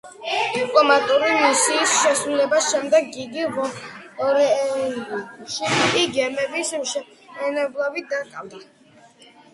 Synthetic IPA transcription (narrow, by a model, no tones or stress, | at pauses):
d̪̥ipʼlˠɔmat̪ʼuɾimisiːsʃɛsɾulɛbasʃɛmd̪ɛɡ̚ːiɡiʁɔɔɾɛ | ʃiiɡɛmɛbismʃɛp | ɛnɛblˠavid̪akʼavd̪a